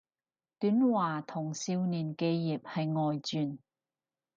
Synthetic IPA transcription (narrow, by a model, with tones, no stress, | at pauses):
t̪yː˨˥nwaː˨˩t̪ʰʊ˨˩ŋsiː˧wniː˨˩nke˧jːiː˨p̚hɐ˨jŋɔː˨jt͡syː˨˧n